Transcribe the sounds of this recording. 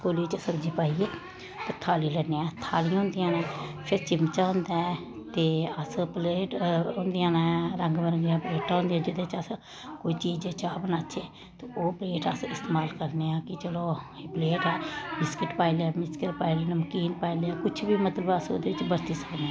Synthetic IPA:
koːliːt͡ʃsəɾd͡ʒiːpaːieː | t̪eːt̪ʰaːliːlɛːnːeːɛːt̪ʰaːlijãʊ̃ːnd̪ɪjãːnɛːpʰɪɾt͡ʃɪmt͡ʃaːɦʊ̃nd̪aː | t̪eːəspleːʈʊ̃nd̪ɪjãːnɛːɾə̃ŋɡbəɾd̪eãːpleːʈaːɦʊ̃nd̪ejãːd͡ʒɪd̪ẽːt͡ʃəs | koːiːt͡ʃiːd͡ʒt͡ʃaːbnaːʃʰeː | t̪eoːpleːʈəsɪst̪eːmaːlkəɾneːãːkɪt͡ʃəloː | epleːʈɛːmɪskɪʈpaːilɛːmɪskɪʈpaːileːnməkiːnpaːileaːkʊt͡ʃʰbiːmət̪ləbəsod̪eːʋɪt͡ʃbəɾt̪iːsəkneː

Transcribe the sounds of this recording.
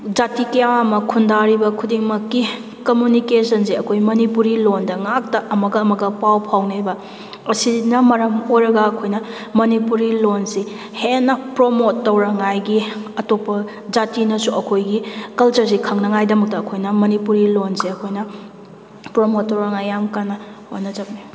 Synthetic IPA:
d͡ʒatikeawamɐkʰundaɾibɐkʰudiŋmɐkːi | kɐmjunikesɐnseɐkʰojmɐnipuɾilondɐŋak̚tɐʔɐmɐɡɐːmɐɡɐpawpʰawnebɐ | ɐsinɐmɐɾɐmojɾɐɡɐːkʰojnɐ | mɐnipuɾilonsi | henːɐpɾomotːɐwɾɐŋajɡiɐtopɐ | d͡ʒatinɐsuɐkʰojɡikɐlt͡ʃɐɾs̬ikʰɐŋnɐŋajdɐmɐk̚tɐːkʰojnɐmɐnipuɾilonseɐkʰojnɐ | pɾomotːɐwɾɐŋajːamkanːɐo̰nɐd͡ʒɐbni

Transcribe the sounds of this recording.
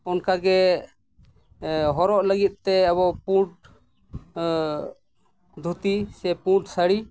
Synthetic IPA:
ɔnkaɡɛ | ɦɔɾɔʔləɡit̪̚ˀt̪ɛəβɔpuʈ̚ | d̪ʱut̪isɛpuʈsəɽi

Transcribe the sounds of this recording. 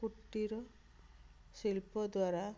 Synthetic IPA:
kuʈːiɾɔ | silpɔd̪waɾa

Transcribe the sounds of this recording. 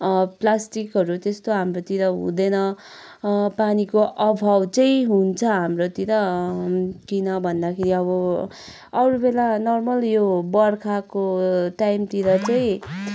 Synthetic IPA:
plasʈikɦʌɾut̪est̪oɦamrot̪iɾʌɦṵ̃d̪enʌ | panikoʔʌbʱawt͡sʌĩɦunt͡sʰʌɦamrot̪iɾʌ | kinʌbʱʌnd̪akʰeɾiʌβʌ | ʌɾubelanʌrmʌljobʌrkʰakoʈajmt̪iɾʌt͡sʌĩ

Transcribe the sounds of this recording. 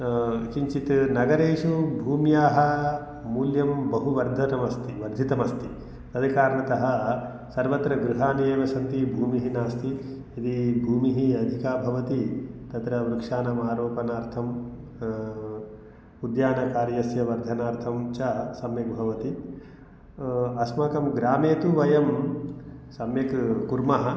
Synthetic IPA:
t͡ʃiɲt͡ʃit̪nɐɡɐɾeːʂubʱuːmjaːɦɐ | muːljɐmbɐɦuʋɐɾd̪ʱɐnɐmɐst̪iʋɐɾd̪ʱit̪ɐmɐst̪i | ɐd̪ʱikaːɾɳɐt̪ɐɦɐ | sɐɾʋɐt̪ɾɐɡɾuɦaːnieːʋɐsɐnt̪ibʱuːmiɦinaːst̪i | ɐd̪ibʱuːmiɦiɐd̪ʱikaːbʱɐʋɐt̪it̪ɐt̪ɾɐʋɾukʂaːnɐmaːɾoːpɐnaːɾt̪ʰɐm | ud̪jaːnɐkaːɾjɐsjɐʋɐɾd̪ʱɐnaːɾt̪ʰɐmt͡ʃɐsɐmjɐk̚bʱɐʋɐt̪i | ɐsmɐkɐmɡɾaːmeːt̪uʋɐjɐm | sɐmjɐkkuɾmɐɦɐ

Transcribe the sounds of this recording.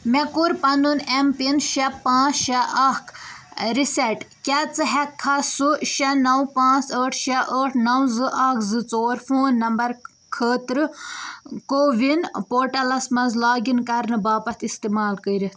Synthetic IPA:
mekuɾpɐnunempinʃɐpãːt͡sʃɐʔɐkʰɾisɐʈkʲat͡sɨɦɛkʰːasuʃɐnɐwpãːt͡səːʈʰʃɐʔəːʈʰnɐwzɨʔɐkʰzɨt͡soːɾfoːnːɐmbɐɾ | kʰəːt̪ɾɨ | koːʋinpoːɾʈɐlɐsmɐzlaːɡinkɐɾnɨbaːpɐt̪ist̪imaːlkəiɾit̪

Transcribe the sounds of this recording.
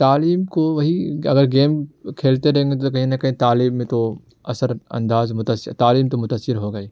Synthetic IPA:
t̪aːliːmkoʋɐɦiɐɡəɾɡeːmkʰeːlt̪eɾɐɦẽŋɡet̪̬okɐɦĩnɐkɐɦĩt̪aːliːbːẽt̪o | ɐsəɾɐ̰̃nd̪aːzmʊt̪əsɪt̪aːliːmt̪omʊt̪əsɪɾɦoɡɐiː

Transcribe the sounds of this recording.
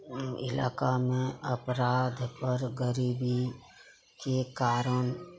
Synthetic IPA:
ɪ̰la̰ːkamẽəpɾaːd̪ʱpəɾɡəɾiːbi | kekaːɾəɳ

